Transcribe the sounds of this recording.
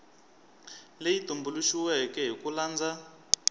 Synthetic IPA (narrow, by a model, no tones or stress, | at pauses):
lejitumbuluʃiwɛkɛɦikulaːnd͡za